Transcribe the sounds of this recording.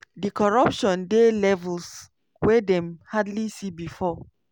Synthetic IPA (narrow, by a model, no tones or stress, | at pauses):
dikɔɹapʃɔ̃ndelɛvuls | wedɛ̃mhadlisibifɔ